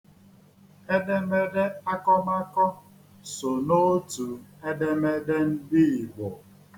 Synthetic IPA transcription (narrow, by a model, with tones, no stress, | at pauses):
e˦de˦me˦de˦a˦kɔ˦ma˦kɔ˦ | so˨no˦tu˨e˦de˦me˦de˦n̩˦di˦i˨ɡ͡bo˨